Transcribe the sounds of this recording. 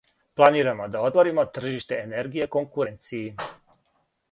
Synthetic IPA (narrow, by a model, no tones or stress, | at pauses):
plˠaniːɾamo̞d̪ao̞t̪ʋoɾimo̞t̪r̩ʒiʃt̪e̞ene̞ɾɡije̞ko̞ŋkuɾe̞nt̪siji